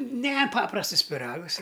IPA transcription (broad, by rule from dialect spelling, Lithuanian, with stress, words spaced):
ˈnʲɛ ˈpɑːprɐstɨs pʲɪˈrɑːɡɨs ɪ